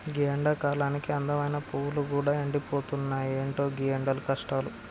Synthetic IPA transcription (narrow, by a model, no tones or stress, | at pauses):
ɡijɐɳɖaːkaːlaːnikiɐnd̪ɐmɐjnɐpuːwuluɡuːɽaːeɳɖipo̞ːt̪unːaːjeːɳʈo̞ːɡijɐɳɖɐlukɐʂʈaːlu